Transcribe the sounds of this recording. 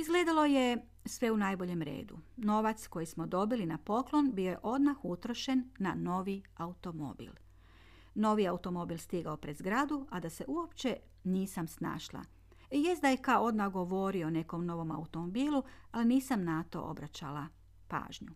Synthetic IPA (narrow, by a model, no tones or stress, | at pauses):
izɡleːd̪alˠo̞je̞ | sʋe̞unaːjbo̞ʎe̞mɾḛːd̪ṵno̞ʋat̪sko̞jismo̞d̪o̞bilinapo̞klˠo̞nbio̞je̞̰ʔo̞d̪maxut̪ɾo̞ʃe̞nːano̞ːʋiaut̪omo̰bḭl | no̞ʋiaut̪o̞mo̞bilˠst̪iɡaopɾezɡɾad̪uad̪ase̞ʔuopt͡ɕe̞ | niːsamsna̰ːʃlˠa̰ | je̞sd̪ajekaoo̞d̪maxɡo̞ʋo̞ɾione̞ko̞mno̞ʋo̞ma̰ut̪omobiːlˠualiniːsamnat̪o̞̰ʔo̰bɾat͡ɕa̰lˠa | pa̰ːʒɲu